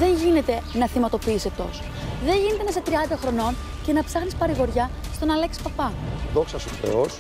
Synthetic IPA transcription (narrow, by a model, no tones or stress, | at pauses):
ðe̞ɲʝine̞t̪e̞nɐθimɐt̪o̞piiset̪o̞̰so | ðe̞ɲʝine̞t̪e̞nɐset̪ɾiɐnd̪ɐxɾo̞no̞n | ce̞nɐpsɐxnispɐɾiɣo̞ɾʝɐ | st̪o̞nɐleksi̥spɐpɐðo̞ksɐsufɾḛos